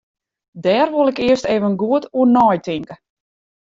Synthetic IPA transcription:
dɛːrʋolˠɪkɪəsteːvənɡuətʰuənɔːjtʰɪŋkə

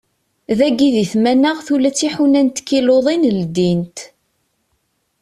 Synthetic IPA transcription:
ðæɡiðiθmænaʁθulæt͡sːiħunænt̪kːiloðˤinəld̪int̪

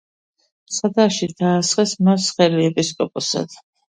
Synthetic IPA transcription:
sad̪aʃid̪aːsχɛsmasχɛliɛpʼiskʼɔpʼɔsa̰d̪̥

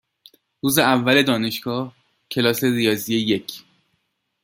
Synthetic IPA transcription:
ɾuːzeævːæle̞d̪ɒːne̞ʃɡ̥ɒːh | cʰe̞lɒːse̞rijɒːzijejecʰ

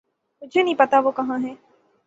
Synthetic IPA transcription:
mʊd͡ʒʱenɐɦĩːpɐt̪aʋokɐɦãɦɛː

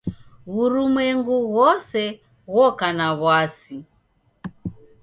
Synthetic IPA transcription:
uɾumwɛŋɡuɣɔsɛ | ɣɔkanaβwasi

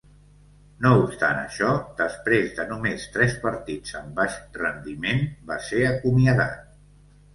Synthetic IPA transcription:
noupst̪anə̰ʃɔd̪əspɾezðənumest̪ɾɛspəɾt̪id͡zəmbaʃrənd̪imenbaseəkumiəða̰t̪̚

